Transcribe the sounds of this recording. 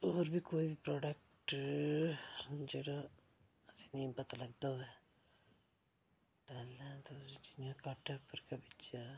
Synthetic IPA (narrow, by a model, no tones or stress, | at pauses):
oːɾbʱikoːibʱipɾɔːɖək | ʈ | d͡ʒeɽo | əsĩ̥ːniːmpɐt̪alɐɡd̪aɛ | pɛːlẽt̪od͡ʒɪnjãkaːʈːapəɾkabit͡ʃa